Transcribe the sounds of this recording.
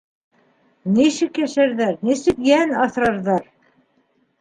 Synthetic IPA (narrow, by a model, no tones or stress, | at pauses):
niʃɘkjæʃæɾðæɾnisɘkjænɑθɾɤ̆ɾðɑɾ